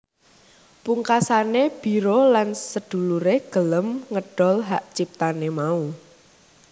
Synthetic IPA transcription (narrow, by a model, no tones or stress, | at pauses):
puŋkasaneb̥i̤ɾolansəd̪̥ṳluɾeɡ̥ə̤ləmŋəɖ̥ɔ̤lɦaʔt͡ʃip̚t̪anemau